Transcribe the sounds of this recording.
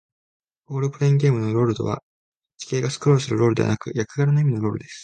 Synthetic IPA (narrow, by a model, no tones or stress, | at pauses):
oːɾɯ̟pɯ̟ɾeĩŋɡʲe̞ːmɯ̟no̞ɾo̞ːɾɯ̟d̪o̞̰β̞a̰ | t͡ɕi̥kʲe̞ːɡasɨ̥kɯɾo̞ːɾɯ̟sɨɾɯ̟ɾo̞ːɾd̪e̞a̰nakɯ̟jakɯ̟ɡaɾanaimino̞ɾo̞ːɾɯ̟d̪esɨ̥